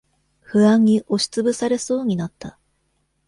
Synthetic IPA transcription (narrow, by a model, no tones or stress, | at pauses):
hɯ̟ãɲ̟ːiʔo̞ɕi̥t͡sɨbɯ̟saɾe̞so̞ːɲ̟inat̪ːa